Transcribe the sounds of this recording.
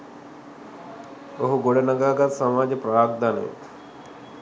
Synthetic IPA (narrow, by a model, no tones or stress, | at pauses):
oɦuɡoɽenɐɡaːɡat̪sɐmaːd͡ʒəpɾaːɡ̚d̪anḛk